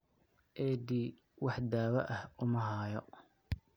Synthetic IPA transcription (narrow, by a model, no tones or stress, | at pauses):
ʔɛd̪iː | wɑħd̪aːwɐʔɐhʊmɐɦaːjɔ